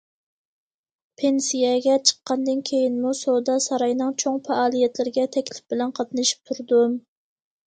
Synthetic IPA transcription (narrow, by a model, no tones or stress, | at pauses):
pʰensijɛɡʲɛt͡ʃʰə̥qːɑnd̪ɨnkʲʰejinmusod̪ɑsɑɾɑjnɨŋt͡ʃʰoŋfɛɑːlˠijɛt̪lɪɾɪɡʲɛt̪ʰɛkʲlɪ̥p̚b̥ɪlɛnqʰɑt̪nɨʃi̥p̚t̪ʰuɾd̪u